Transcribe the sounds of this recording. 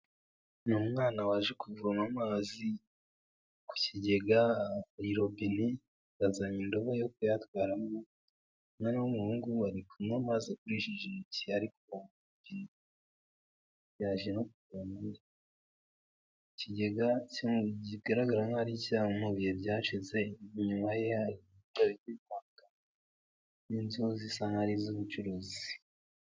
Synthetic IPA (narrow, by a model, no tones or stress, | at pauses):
numŋaːnawaːʒekuvuɾamamaːzi | ku̥ciɟe̞ɡaiɾo̞bini | βazaɲindoβajokujatwaːɾamo | nanawomuɾuːŋɡuβaɾikʰunamaːzikuɾiʃiʒeciaɾiko | bini | jaʒeno̞kukaːmbuɾa | ciɟe̞ɡaciuɟiɡaɾaɡaɾaŋaɾicaːumuβijebɟaːʃize̞ɲumaje̞aɾi | uaβiimwaŋka | ninzozisaŋhaɾizuβut͡ʃuɾozi